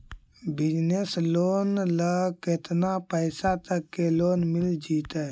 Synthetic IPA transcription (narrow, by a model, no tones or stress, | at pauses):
bɪd͡ʒnesloːnləket̪napəɪsat̪əkːeloːnmɪld͡ʒiːt̪ɛ